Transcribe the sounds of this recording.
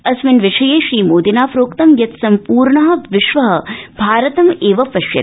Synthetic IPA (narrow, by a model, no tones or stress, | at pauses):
ɐsʋɪnʋɪʂɐjeːʃɾiːmoːd̪inaːfɾoːkt̪ɐmjɐt̪sɐmpuːɾɳɐɦɐ̆ʋɪʃʋɐɦɐ̆bʱaːɾɐt̪ɐmeːʋɐpɐʃjɐ̰